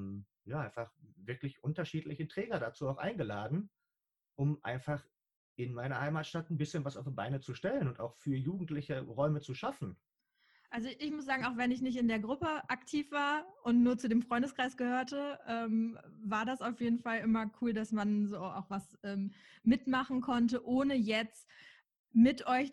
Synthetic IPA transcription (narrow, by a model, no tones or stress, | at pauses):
m | jaːʔaɪnfaχvɪɐklɪçʔʊntɐʃiːtlɪçətʁ̥ɛːɡɐdat͡suːaʊxʔa̰ɪnɡəlaːdn̩ | ʔʊmʔa̰ɪnfaχ | ʔɪnmaɪnɐhaɪmaːtʃtatn̩bɪsçənvasaʊfbaɪnət͡suʃtɛlənʊnta̰ʊxfyːɐjuːɡŋ̩tlɪçəʁɔʏmət͡suʃafn̩ | ʔalzoʔɪçmʊsz̥aːɡŋ̩aʊxv̥ɛnɪçnɪç̬tɪndeːɐɡʁʊpəʔaktʰiːfv̥aːɐʔʊntnuːɐt͡sudeːmfʁ̥ɔʏndəskʁ̥aɪsɡ̥əhøːɐtəʔɛːmvaːɐdasaʊfjeːdn̩falʔɪmɐkʰuːldasmanzoːa̰ʊxv̥asʔɛːmmɪtmaχn̩kʰɔntəʔoːnəjɛt͡st | mɪtʔɔʏç